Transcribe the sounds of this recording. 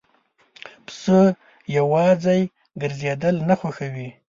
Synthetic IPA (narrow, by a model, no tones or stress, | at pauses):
psə | jawɑzaj | ɡəɾzed̪əlnaxaxawi